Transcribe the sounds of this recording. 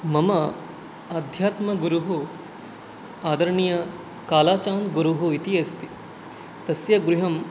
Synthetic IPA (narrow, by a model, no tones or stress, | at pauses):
mɐmɐ | ɐːd̪ʱjaːt̪mɐɡuɾuɦu | aːd̪ɐɾɐɳijɐ | kaːlaːt͡ʃaːnd̪ɡuɾuɦuit̪iɐst̪i | t̪ɐsjɐɡɾuɦɐm